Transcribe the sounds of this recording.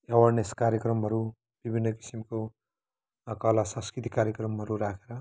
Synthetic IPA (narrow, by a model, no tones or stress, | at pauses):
awʌrneskaɾjʌkrʌmɦʌɾu | b̥ibʱinːʌki̥simko | kʌlasʌ̃ŋskɾit̪ikaɾjʌkrʌmɦʌɾuɾakʰeɾʌ